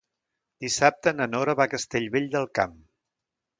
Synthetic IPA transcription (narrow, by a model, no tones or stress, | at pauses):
d̪isap̚t̪ənənɔɾəβakəst̪eʎβeʎd̪əlˠkam